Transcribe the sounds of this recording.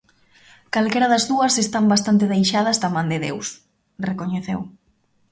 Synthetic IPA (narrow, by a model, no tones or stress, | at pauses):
kalkɛɾɐðɐzðuɐsest̪ambast̪ant̪ɪðejʃað̞ɐzðɐmãnd̪ɪðḛws | rekoɲeθew